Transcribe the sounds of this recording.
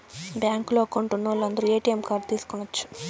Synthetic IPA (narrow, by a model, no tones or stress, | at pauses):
bjaːŋkloːkoɳʈunːɐʋlːɐnd̪ɐɾueːʈijemkaːb̚t̪iːsu̥kunːɐt͡ʃːu̥